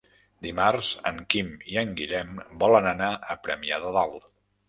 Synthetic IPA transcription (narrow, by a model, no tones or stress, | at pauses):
d̪imarz̥ə̰ŋkimiəŋɡiʎɛmbɔlənənaəpɾəmiaðəðalˠ